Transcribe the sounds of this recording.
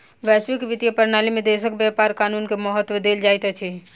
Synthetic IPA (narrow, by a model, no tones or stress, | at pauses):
ʋɛsʋikʋit̪jəpəɾnalimed̪esəkbjapaɾkanunkeməɦət̪ːwəd̪eld͡ʒajt̪ət͡ʃʰɛ